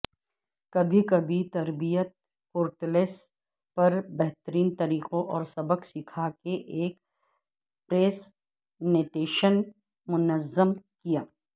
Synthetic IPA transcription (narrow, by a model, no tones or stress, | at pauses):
kɐbʱikɐbʱit̪ɐɾbijət̪̚ | koːɾʈleːs | pɐɾbɛɦt̪əɾiːnt̪ɐɾiːqõʔɔːɾsɐbəqsɪkʰakeʔeːk | pɾeːs | neːʈeːʃən | mʊnəzəmkijaː